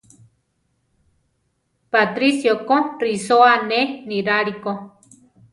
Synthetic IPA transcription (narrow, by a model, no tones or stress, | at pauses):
pat̪ɾisjokorisoaneniɾaɾiko